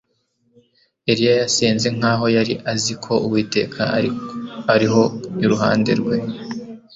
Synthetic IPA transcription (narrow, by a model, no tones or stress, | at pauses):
eɾijajasiːnze̞ŋ̥aːɦo̞jaɾiʔazikʰo̞uwiːte̞kʰa | aɾiɦo̞iɾuɦaːnde̞̰ɾɡwe̞